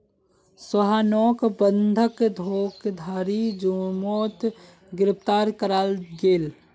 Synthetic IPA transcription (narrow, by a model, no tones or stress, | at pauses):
səɦanɔːkbənd̪ʱəkd̪ʱoːkd̪ʱaːɾid͡ʒomoːt̪ | ɡɪɾɪpt̪aːɾkəɾaːlɡeːl